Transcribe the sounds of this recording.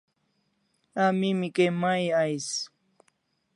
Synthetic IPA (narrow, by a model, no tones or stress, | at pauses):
amimikemajajs